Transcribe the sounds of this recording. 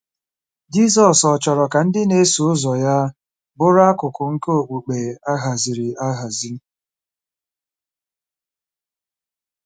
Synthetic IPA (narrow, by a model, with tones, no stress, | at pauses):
d͡ʒi˦s̬ɔ˨sɔ˨t͡ʃɔ˨ɾɔ˨ka˨n̩˦dɪ˦ne˦su˨ʊ˦zɔ˨ja˦ | bʊ˦ɾa˦kʊ˨kʊ˨ŋ̩˦ko˨k͡pu˨k͡pe˨a˦ɦa˨zi˨ɾi˨a˦ɦa˨zi˦